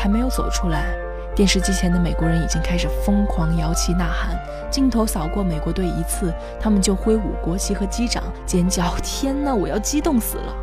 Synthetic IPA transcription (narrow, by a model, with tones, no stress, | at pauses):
a˧˥me˧˥ɪjʊt͡so˨˩ʊʈ͡ʂʰu˥la˧˥ɪ | t̪jɛ˥˧nʂɻ̩˥˩t͡ɕi˥t͡ɕʰjɛ˧˥nd̪ə˧me˨˩ɪkwɔ˧˥ɻə˧˥ni˨˩t͡ɕi˥ŋkʰa˥ɪʂɻ̩˨˩fɤ˥ŋkʰwɑ˧˥ŋjɑ˧˥ʊt͡ɕʰi˧˥na˥˩xa˧˥n | t͡ɕi˥˩nt̪ʰo˧˥ʊsɑ˨˩ʊkwɔ˥˩me˨˩ɪkwɔ˧˥t̪we˥˩ɪi˧˥t͡sʰɹ̩˥˩ | t̪ʰa˥mə˨nt͡ɕjo˥˩ʊxwe˥ɪṵ˨˩kwɔ˧˥t͡ɕʰi˧˥xɤ˧˥t͡ɕi˥ʈ͡ʂɑ̰˨˩˦ŋt͡ɕjɛ˧˥nt͡ɕjɑ˧˥ʊt̪ʰjɛ˥nnə˨wɔ˨˩jɑ˥˩ʊt͡ɕi˥t̪ʊ˥˩ŋsɹ̩̰˨˩lə˦